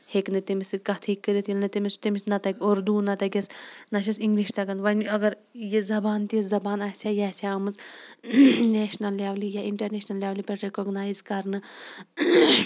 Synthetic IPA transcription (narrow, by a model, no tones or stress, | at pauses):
heknɨt̪imisikɐt̪ʰikːəɾit̪ʰilnɨt̪imist̪imisnɐt̪ɐkʲioɾd̪uːnɐt̪ɐkʲɐsnɐʃʰisiŋɡliʃt̪ɐɡɐnʋɐnɐɡɐɾ | jezɐbaːnt̪iszɐbaːnaːsʲajaːsʲaɐmɨz | neːʃnɐlːaʋlijaiɳʈɐɾneːʃnɐlːjaːʋlipʲɐʈɾekoɡnaːjzkɐɾnɨ